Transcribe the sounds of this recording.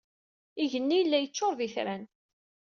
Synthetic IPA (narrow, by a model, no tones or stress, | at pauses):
iʝənːijəlːæjət͡ʃːʊɾˤðiθɾæn